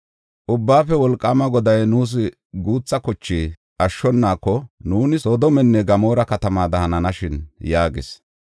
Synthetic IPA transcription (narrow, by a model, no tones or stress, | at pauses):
ʔʊbːaːfɛwɔlkʼːaːmɐɡɔd̪ɐjnuːs̬ɪ | ɡuːt͡sːɐkɔt͡ʃːiː | ʔɐʃːɔnːaːkːɔnuːnɪsɔd̪ɔmɛnːɛɡɐmo̞ːɾɐkɐt̪ɐmaːd̪ɐhɐnɐnɐʃɪnjaːɡɪ̰s